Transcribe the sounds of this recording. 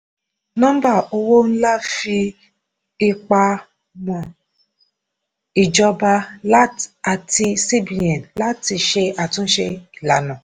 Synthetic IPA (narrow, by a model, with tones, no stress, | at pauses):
nɔ̃˦m̩˦ba˦˨o˦˧wo˦n̩˦la˦fi˧ | i˧k͡pa˧ | mɔ̃˨ | i˨d͡ʒɔ˧ba˧la˦ta˨ti˧si˦bi˨a˨n˨la˦ti˧ʃe˧a˨tũ˦ʃe˧i˨la˨nɔ̃˨